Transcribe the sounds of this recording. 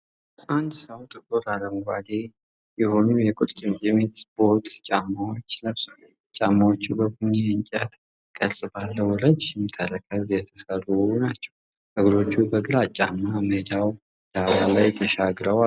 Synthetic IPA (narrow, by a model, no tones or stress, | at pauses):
ʔand̪səwt̪ʼɨkʼuɾaləmuɡʷale | jɛho̞nujɛkʼʊt̪ʼt͡ʃʼɪmt͡ʃʼɪmet̪spʰo̞ɾt̪t͡ʃʼamːawo̞t͡ʃːnəβsəl | t͡ʃʼamːawot͡ʃːubəɡuneɨnt͡ʃʼət̪ | kʼəlsʼɨbalːəwɔləd͡ʒjɛmːɨt̪ʰːaɾəkʰəzjɛt̪ʰəsərːuunat͡ʃːɛ̥w | ʔɨɡɾo̞t͡ʃːubəɡɨɾat͡ʃʼːamːaməd̪aw | d̪aβalajt̪ʰəʃaɡɾəa